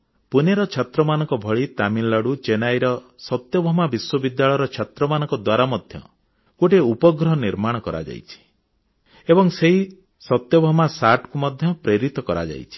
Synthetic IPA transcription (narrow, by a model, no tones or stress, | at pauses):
puneɾɔt͡ʃʰat̪ɾɔmanɔŋkɔbʱɔɭit̪amilːaɽut͡ʃenajɾɔsɔt̪jɔbʱɔmabiswɔbid̪jaɭɔjɾɔt͡ʃʰat̪ɾɔmanɔ̃ŋkɔd̪waɾamɔd̪ʱjɔ̰ | koʈeupɔɡɾɔɦniɾmaɽ̃ɔkɔɾa̰d͡ʒa̰jt͡ʃʰi̥ | ebɔŋseɦi | sɔt̪jɔbʱɔmasaʈkumɔd̪ʱjɔpɾeɾit̪ɔkɔɾa̰d͡ʒa̰jt͡ʃʰi̥